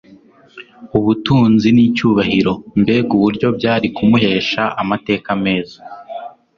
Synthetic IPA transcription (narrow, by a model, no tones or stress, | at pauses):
uβutuːnziniːcuːβahiɾo̞mbe̞ɡuβuɾɟo̞bɟaːɾikumuhe̞ːʃaʔamate̞ːkame̞ːza